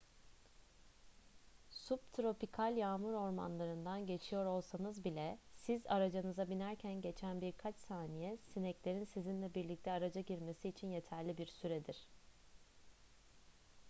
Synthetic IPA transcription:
sup̚t̪ʰɾo̞pikʰalʲjaːmuɾo̞ɾma̰nlˠaɾɯnd̪anɟe̞t͡ʃʰijo̞ɾo̞lˠsanɯzbilʲɛsiza̰ɾad͡ʒanɯzabinæɾcʰænɟe̞t͡ʃʰænbiɾkʰat͡ʃsaːnijɛsinɛclʲe̞ɾinsizinlʲɛbiɾlʲic̚t̪ʰɛaɾad͡ʒaɟiɾme̞siːt͡ʃʰinje̞t̪ʰæɾlʲibiɾsyɾɛd̪iɾ̝̥

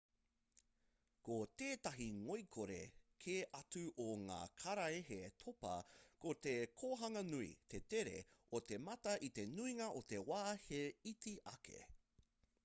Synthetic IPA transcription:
kot̪eːt̪ɐɦiŋojkʰoɾe̞̰kʰeːʔɐt͡sʉʔoŋa̰ːkʰɐɾɐeɦet̪ʰopɐ̰kot̪ekʰoːɦɐŋɐnuḭt̪ʰet̪eɾḛot̪e̞mɐt̪ɐʔit̪e̞nuiŋɐʔot̪e̞waːheitiʔɐkʰḛ

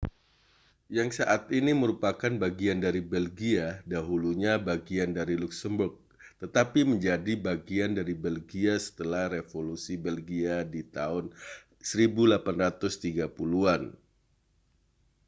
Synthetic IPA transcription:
jaŋsaʔat̪iniməɾupakanbaɡiandaɾibɛlɡiadaɦuluɲabaɡiandaɾiluksəmbʊrk̚ | t̪ət̪apiməɲd͡ʒadibaɡiandaɾibɛlɡiasə̥t̪əlahrefolusibɛlɡiadit̪aʊn | səɾibulapanrat̪ʊst̪iɡapuluan

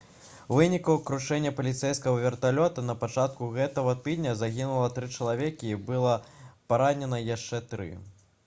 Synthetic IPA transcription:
vɨnʲikɐwkɾuʂɛnʲːɐpɐlʲit̪sɛjskɐɣɐvʲɛrt̪alʲɔt̪ɐnɐpat͡ʂat̪̚kuɣɛt̪ɐɣɐt̪ɨd̪ʲnʲɐzaɣʲinulˠɐt̪ɾɨt͡ʂɐlˠavʲekʲiːbɨlˠɐpaɾanʲɛnɐjaʂt͡ʂɛt̪ɾɨ̰

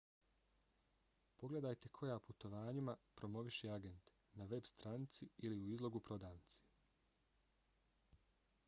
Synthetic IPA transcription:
po̞ɡle̞d̪ajt̪e̞kʰo̞jaːput̪o̞ʋaːɲimapɾo̞mo̞ʋiʃeaɡe̞nt̪ | naʋe̞bst̪ɾanit̪siiliuizlo̞ɡupɾo̞d̪aːnt̪si̥

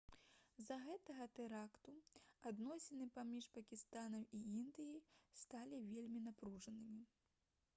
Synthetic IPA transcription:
zɐɣɛt̪ɐɣɐt̪ɛɾakt̪uad̪nɔsʲɛnɨpamʲiʂpɐkʲist̪anɐmiind̪ɨjist̪alʲivʲelʲmʲinapɾuʐɐnɨmʲi

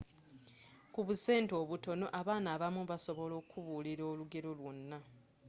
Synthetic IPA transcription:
kuβuse̞ːnto̞ːβuto̞no̞ʔaβaːnaːβamuβaso̞βo̞lo̞ːkʰuβuːliɾo̞ːluɡe̞ɾo̞lwonːa

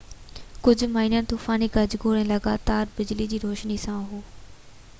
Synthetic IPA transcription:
kʊd͡ʑʱʊ̆maːinənɪ̆t̪uːfaːnikɐd͡ʑɡoːɾɛ̃ːlɐɡaːt̪aːɾbɪd͡ʑlid͡ʑiːɾoːʃnisãɦoː

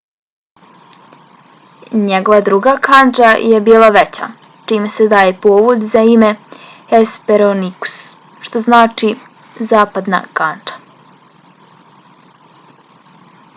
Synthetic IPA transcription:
ɲeɡo̞ʋad̪ɾuɡakand͡ʒajebiːlˠaʋet͡ɕa̰ | t͡ʃiːmesed̪aːjepoːʋud̪zaime̞ | espeɾoniku̥s | ʃt̪oznaːt͡ʃi | zaːpad̪na̰kand͡ʒḁ

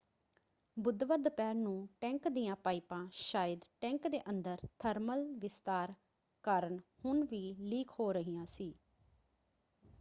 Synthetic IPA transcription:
bʊd̪ʋəɾd̪pɛːɾnũːʈɛ̃ːŋkd̪iːjãːpaːiːpãːʃaːjəd̪ʈɛ̃ːŋkd̪eːʔənd̪əɾt̪ʰəɾməlʋɪst̪aːɾ | kəɾəɳhʊɳʋiːliːkʰɦoːɾəɦijãːsiː

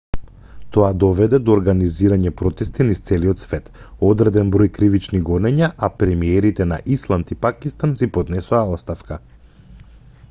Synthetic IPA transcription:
t̪ɔad̪ɔvɛd̪ɛd̪ɔːɾɡaniziɾaɲɛpɾɔt̪ɛst̪inist̪sɛliɔt̪svɛt̪ | ɔd̪ɾɛd̪ɛnbɾɔjkɾivit͡ʃniɡɔnɛɲaʔapɾɛmiɛɾit̪ɛna̰ʔislˠant̪ipakist̪ansipɔd̪nɛsuaɔst̪afka

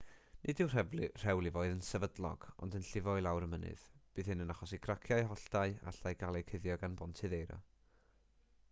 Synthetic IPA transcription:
nʔɨdɪwr̥ɛvlɨr̥ɛwlˠivoːɨðənsɛvədlˠɔ̰ɡ̥ɔ̰ndənɬɪvɔɨlˠawɾəmənɨ̰ð̥b̥ɨːðhɨnənaχɔsikʰrakʰjaɨɦɔɬd̥aɨa̰ɬajɡalˠɛjkʰəðjɔɡanbɔntʰɨðejɾɔ̰

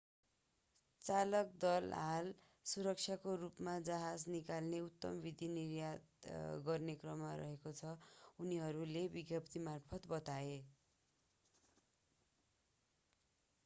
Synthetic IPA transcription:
t͡salʌk̚d̪ʌlɦal | suɾʌk̚t͡sʰjakorupmad͡zʌɦad͡znikalneut̪ːʌmʌbid̪ʱinirjat̪ɡʌrnekrʌmːaɾʌ̰ɦekot͡sʰʌuniɦʌɾulebiɡjʌpt̪imarpʰʌt̪bʌt̪ae

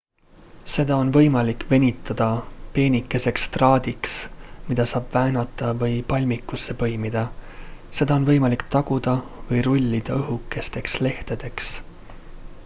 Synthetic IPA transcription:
se̞d̪ɑo̞nvɤ̞jmɑlikve̞nʲit̪ːˑɑd̪̥ɑpe̞ːnʲikːˑe̞se̞kst̪rɑːd̪̥iksmid̪̥ɑsɑːb̥væːnɑt̪ːˑɑvɤjpɑlʲmikːˑusːe̞pɤ̞jmid̪̥ɑse̞d̪ɑo̞nvɤ̞jmɑlikt̪ɑɡ̥ud̪̥ɑvɤjɾulʲːid̪̥ɑɤɦukːˑe̞st̪e̞ksle̞ht̪ed̪̥e̞ks

